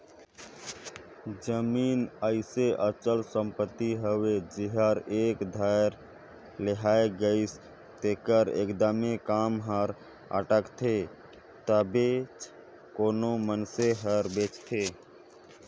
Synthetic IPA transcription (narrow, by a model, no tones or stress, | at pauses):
d͡ʒəminəɪseʔət͡ʃəlsəmpət̪ːiɦəwed͡ʒiɦəɾekd̪ʱaɾ | leɦaeɡəɪs | t̪ekəɾḛkd̪əmekamɦəɾ | ə̰ʈəkt̪ʰe | t̪əbet͡ʃ | konomənseɦəɾbet͡ʃt̪ʰe